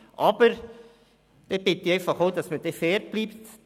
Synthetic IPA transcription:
ʔɑb̥əɾ | d̥eb̥ɪt̪ɪɛɪfɑχoʊd̪ɑsməd̥̪efɛːɾt̚b̥liːpt̪

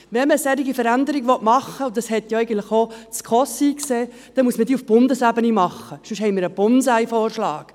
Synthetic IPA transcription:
ʋɛnməsɛɾiɡifəɾænd̪əɾiɡʋɔtmɑχːəʊd̪ɑshɛt̪joɛɪɡəntləχot͡skʰɔsikseː | d̥ɛmuəsmədiːufb̥ʊnd̪əsæbənimɑχːəʃʉʃhɛɪmɪɾəb̥ʊnsæɪfɔːrʃlɑːk

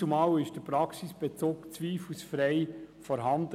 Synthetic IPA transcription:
umɑːwɪʃd̥əpɾɑksisb̥et͡soːkt͡sʋiːflusfɾɛɪfɔɾɦɑndə

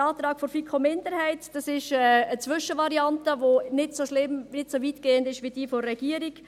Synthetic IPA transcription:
ɑːt̪ɾɑːkfɔɾfikʰomɪndəɾhɛɪtd̥ɑsɪʃɛət͡sʋʏʃəʋɑɾiɑntəʋonɪtsoʃlɪmnɪtsovitɡ̥eːəndɪʃʋid̥iːfoːɛɡ̥iəɾik

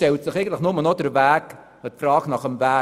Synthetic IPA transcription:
tɛltsɪχeɪɡəntlɪχnʊmənodəɾvæːk | ətfrɑːɡnɑχəmvæː

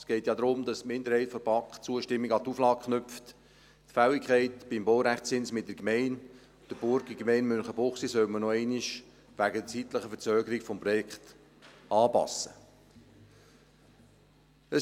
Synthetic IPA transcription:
sɡ̥ɛɪtjɑd̪ɾʊmd̥ɑstmɪnd̪əɾhɛɪtfɔb̥ɑkχt͡suəʃtɪmːiɡɑt̪uflɑːk̚kχnʏpft | tfæwɪkʰχɛɪtb̥ɪmbowɾæχtt͡sɪnsmɪt̚dəkmɛɪn | d̥əb̥ʊɾɡəkmɛɪnmʏnχəbʊχsisœwmənɔɛɪniʃ | ʋæɡət͡sitləχəfət͡sœːɡəɾikfɔmpɾɔjɛkt | ɑːpɑ̰sːə | ə

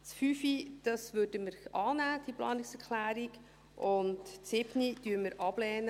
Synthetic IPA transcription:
sfyfid̥ɑsʋøːd̥əməɾʔɑːnæːd̥iplɑ̰ːnɪksɛɾklæːɾiɡ | ʔʊntsɪb̥nid̥yːɾməɾʔɑb̥lɛːnə

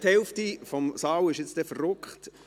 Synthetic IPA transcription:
thɛlftifɔmsɑːwɪʃjɪt͡sd̥ɛfərːʊkχt

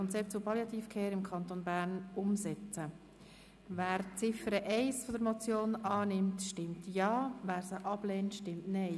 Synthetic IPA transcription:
ɔnt͡sɛp̚tt͡sʊpɑljɑt̪iːfkʰɛːɾɪmkʰɑnt̪onbæːɾnʊmsɛt͡sə | væːɾt͡sɪfəɾəʔɛɪsfɔdəɾmɔt͡sjoːnɑːnɪmtʃtɪmtjɑːvæːɾsəʔɑb̥leːntʃtɪmtnɛɪ

